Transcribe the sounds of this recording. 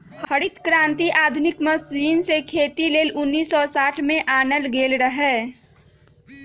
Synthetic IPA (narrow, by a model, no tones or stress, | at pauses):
hɐɽɪt̪kɾãːnt̪iʔaːd̪ʱʊnɪkmɐsd͡ʒiːnsekʰeːt̪ileːlʊnːiːsːɔsaːʈʰmẽʔaːnəlɡeːlɾəɦɛː